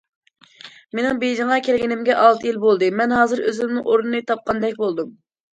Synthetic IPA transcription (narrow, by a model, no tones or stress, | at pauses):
menɪŋbejd͡ʒiŋɑkʲʰelɡʲinɪmɡʲɛʔɑlˠt̪ʰɨjilbolˠd̪ɨmɛnɦɑːzɨɾøzɪmnɪŋʔoɾunɨnɨt̪ʰɑp̚qʰɑnd̪ɛkʲbolˠd̪um